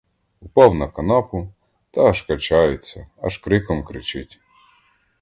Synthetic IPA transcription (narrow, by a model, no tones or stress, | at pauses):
ʊpɔwnɐkɐnɔpʊ | t̪ɐɐʃkɐt͡ʃɑjɪt͡sʲːɐɐʃkɾɪkɔmkɾɪt͡ʃɪtʲ